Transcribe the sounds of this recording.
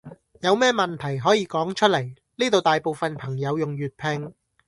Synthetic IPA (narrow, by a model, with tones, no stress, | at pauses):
jɐ˨˧wmɛː˥mɐ˨nt̪ʰɐ˨˩jɦɔː˨˥jiː˨˧kɔː˨˥ŋt͡ʃʰɵ˥t̚lɐ˨˩j | niː˥t̪o˨wt̪aː˨jpo˨wfɐ˨npʰɐ˨˩ŋjɐ˨˧wjʊ˨ŋjyː˨˩t̚pʰɪ˧ŋ